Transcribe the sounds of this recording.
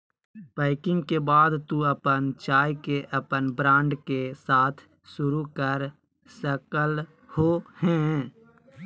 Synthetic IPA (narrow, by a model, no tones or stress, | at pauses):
b̥aːɪkɪ̃ŋɡkebaːd̪t̪uəpənt͡ʃaːjkeʔəpənbɾãːɳɖkesaːt̪ʰ | sʊɾukəɾ | səkəl | hohɛ̃